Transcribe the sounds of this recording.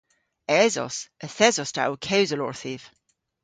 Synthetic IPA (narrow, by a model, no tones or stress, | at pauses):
ɛzɔ̰səθɛzɔsta̰ʔukʰɛwzəlɔ̰ɹθiv̥